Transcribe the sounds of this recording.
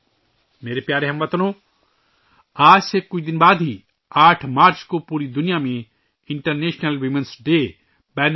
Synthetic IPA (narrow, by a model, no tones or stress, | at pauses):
meːɾepjaːɾeɦɐmʋɐt̪ɐnõː | aːsekʊt͡ʃʰd̪inbaːd̪ʱi | aːʈʰmaːɾt͡ʃkopuːɾid̪unijaːmẽ | iɳʈɐɾneːʃnɐlʋimensɖeː | bɛːn